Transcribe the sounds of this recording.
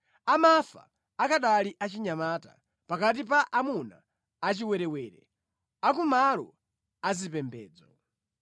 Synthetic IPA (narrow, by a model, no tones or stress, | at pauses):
amafa̰ | akaɗaliʔat͡ʃiɲamaːta̰ | pakat̬ip̬aʔamuna̰ | at͡ʃiwɛɾɛwɛːɾɛ̰ | ak̬umalɔ̰ | azipɛmbɛːd͡zɔ